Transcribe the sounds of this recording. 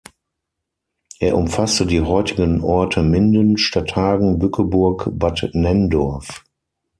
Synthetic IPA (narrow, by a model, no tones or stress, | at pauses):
ʔeːɐʔʊmfastədiːɦɔʏtɪɡənʔɔɐtʰəmɪndənʃtatʰhaːɡŋ̩bʏkʰəbʊɐkbatnɛndɔɐf